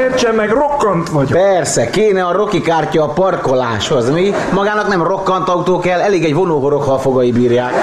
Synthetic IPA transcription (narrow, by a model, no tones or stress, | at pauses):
ert͡ʃɛmːɛɡro̞kːɒnt̪ʋɒɟpɛrsɛkeːnɛɒɾo̞kikaːrcɒːpɒrko̞laːʃhozmi | mɒɡaːnɒknɛmro̞kːɒnt̪ɒut̪oːkɛlːɛleːɡɛɟvo̞noːɦoɾo̞khɒlfo̞ɡɒjibiːrjaːk